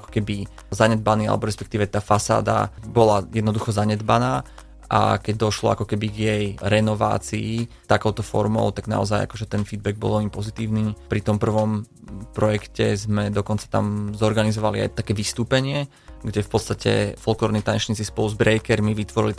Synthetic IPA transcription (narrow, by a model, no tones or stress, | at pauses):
akɔ̥kɛbi | zaɲɛd̪baniːa̰lɛbɔɾɛspɛk̚t̪iːʋɛt̪aːfasa̰ːd̪a̰bɔlajɛd̪nɔd̪uxɔzaɲɛd̪banaː | ʔa̰kɛɟ̚d̪ɔʃlɔ̰a̰kɔkɛbiɡjɛjɾɛnɔʋa̰ːt͡siːt̪akɔʊt̪ɔfɔ̰ɾmɔ̰ʊt̪aɡna̰ɔ̰zaja̰kɔʒɛt̪ɛnfid̪̚bɛɡ̚bɔ̰lˠɔɲipɔzit̪iːʊniːpɾit̪ɔmpr̩ʋɔm | pɾɔjɛkcɛzmɛd̪ɔkɔnt͡sḁt̪a̰mzɔɾɡanizɔʋalia̰jt̪akɛːʋist̪uːpɛɲɪɛ | ɡɟɛfpɔt̪st̪acɛ̰fɔlˠklˠɔːɾnit̪aɲɛt͡ʃɲiːt͡sispɔluzbɾɛjkɛɾmiʋit̪ʋɔɾḭli